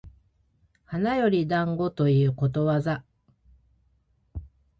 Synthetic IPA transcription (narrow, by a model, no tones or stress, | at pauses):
hanajo̞ɾʲid̪ãŋɡo̞t̪o̞iɯ̟ːko̞t̪o̞βaza